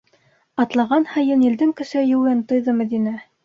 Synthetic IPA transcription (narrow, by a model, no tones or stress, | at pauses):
ɑt̪lˠɑʁɑnhɤ̆jɤnĭld̪ɘmkɘ̆ʃɘjŭwɤnt̪ŏjðɤmɘ̆d̪inæ